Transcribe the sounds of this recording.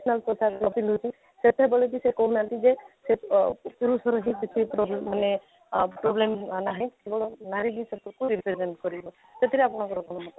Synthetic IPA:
snalpɾɔsaknɔpilusʰi | set̪ebɔlɔd̬isekɔɦũnat̪id͡ʒesepuɾusɔɾɔɦĩbisipɾɔbmːane | pɾɔblemnaɦĩkebɔɭɔnaɾiɦisab̚t̪ɔkuɾipɾezenʈkɔɾibɔ | t̪et̪iɾɛapɔnakɔɾɔkɔnmɔtɔ

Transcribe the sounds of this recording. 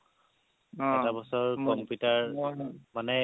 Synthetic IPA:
ɛtabɔsɔɹkɔmpjutaɹmanɛ

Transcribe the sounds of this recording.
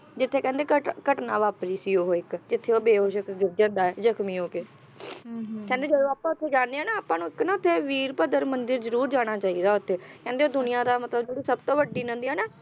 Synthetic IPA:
d͡ʒɪt̪ʰːeːkɛ̃ːnd̪eːkəkəʈnãːʋaːpɾiːsiːoɦoɪkd͡ʒɪt̪ʰːeːoːbeːɦoːʃəkɡɪɾd͡ʒəd̪aːɛːzəkʰmiːoːkeː | kɛ̃ːnd̪eːd͡ʒəd̪oːaːpːãːʊt̪ʰːeːd͡ʒaːnd̪eːɛːnaːaːpːãːnũːɪknãːʊt̪ʰːeːʋiːɾpəd̪əɾmənd̪ɪɾzəɾuːɾd͡ʒaːɽ̃aːt͡ʃaːiːd̪aːʊt̪ʰːeːkɛ̃ːnd̪eːoːd̪ʊnɪjãːd̪aːmət̪ləbd͡ʒuːɽiːsəbt̪õːʋəɖiːnə̃nd̪iːɛːnaː

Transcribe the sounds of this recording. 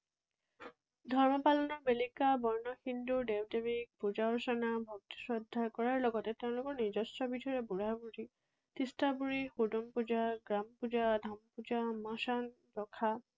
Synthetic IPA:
dʱɔɹmɔpalɔnɔɹbelikabɔɹnɔxindudewdemik̚pud͡ʒaɔɹsɔnabʱɔk̚ti̥sɹɔdʱːakɔɹaɹlɔɡɔtɛteʊ̃lʊkɔɹnizɔsɹɔbitʰɔɹɛbuɹabuɹi | tistabuɹixudɔmpuzaɡɹampuzadʱampuzamasan | pɔkʰa

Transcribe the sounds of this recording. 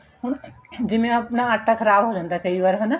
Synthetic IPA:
ɦund͡ʒemeəpnaːʈakʰəɾabɦod͡ʒand̪akəiʋəɾɦən

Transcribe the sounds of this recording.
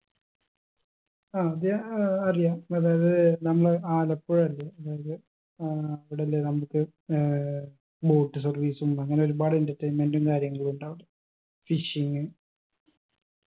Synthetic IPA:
aːɐðjaɐrijaːmɐðaːjɐðɐɨnɐmːɐɭɨʔaːlɐpːoɻɐlːeɐðaːjɐðɨ | ɐʋiɽelːenɐmukːɨ | bo̞ːʈːɨsɐrʋiːsuɐɐŋːɐne̞oɾubaːɽindetːɐjmːendumkaːɾjɐŋːɐɭuɳɖaːʋɐɽɨ | fiʂiŋːɨ

